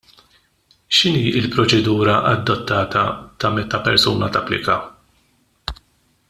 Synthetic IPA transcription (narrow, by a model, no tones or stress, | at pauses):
ʃɪniːɪlpɾɔt͡ʃɛd̪uːɾɐʔɐd̪ːɔt̪ːɐːt̪ɐt̪ɐmɛt̪ːɐpɛɾsuːnɐt̪ɐ̰plɪ̰kɐ